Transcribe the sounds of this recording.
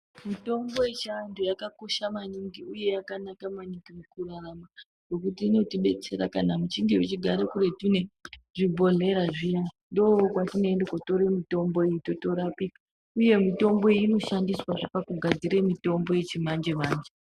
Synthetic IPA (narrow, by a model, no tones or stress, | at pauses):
mito̞mbo̞jet͡ʃaːntʰujakako̞ʃamaɲiŋɡiuje̞jakanakamaɲiŋɡimukurarama | no̞kutiːno̞tiɓe̞t͡se̞ɾakanamut͡ʃiŋɡiwet͡ʃiɡʱaɾekuɾe̞tine̞ʐibʱo̞ɮe̞ɾaʐija | ndookwatine̞endekoto̞ɾemito̞mbo̞iitotoɾapika | uje̞mito̞mbo̞iino̞ʃandiswaʐapakuɡʱad͡ziɾemito̞mbo̞je̞t͡ʃimand͡ʒe̞maːnd͡ʒe